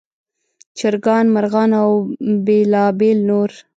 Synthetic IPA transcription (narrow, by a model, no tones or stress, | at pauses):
t͡ʃaɾɡɑːnmaɾɣɑːnawbelɑbelnoɾ